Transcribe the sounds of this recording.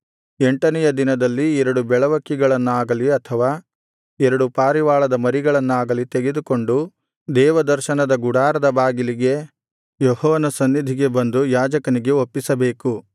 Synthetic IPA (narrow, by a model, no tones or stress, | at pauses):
eɳʈɐnɛjɐd̪inɐd̪ɐlːiɛɾɐɽubɛɭɐʋɐkːiɡɐɭɐnːaːɡɐliɐt̪ʰɐʋaː | ɛɾɐɽupaːɾiʋaːɭɐd̪ɐmɐɾiɡɐɭɐnːaːɡɐlit̪eɡe̞d̪uko̞ɳɖu | d̪ɛːʋɐd̪ɐɾʃɐnɐd̪ɐɡuɽaːɾɐd̪ɐbaːɡiliɡe̞ | jɔhɔːʋɐnɐsɐnːid̪ʱiɡe̞bɐnd̪ujaːd͡ʒɐkɐniɡe̞opːisɐbe̞ːku